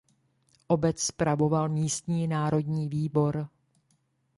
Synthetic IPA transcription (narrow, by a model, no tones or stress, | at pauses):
ʔo̞bɛt͡sspɾavo̞valmiːst̪ɲiːnaːɾo̞dɲiːviːbo̞ɾ